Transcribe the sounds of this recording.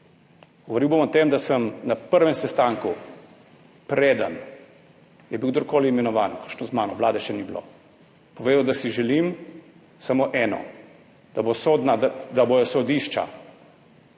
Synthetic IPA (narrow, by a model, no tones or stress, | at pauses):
ɡ̥ɔʋɔɾiwbomɔt̪emd̪asəmnapəɾʋɛmsɛst̪aːŋku | pɾeːd̪ə̰n | jɛbiwɡd̪oɾkoːliːmɛnɔʋaːnkɔ̥kʃnɔzmaːnɔʋlaːd̪ɛʃɛniblo̰ | pɔʋeːd̪əwd̪asiʒɛlim | samoːʔɛːnɔ̰ | d̪̥abosod̪nad̪abojɔsɔd̪iʃt͡ʃa̰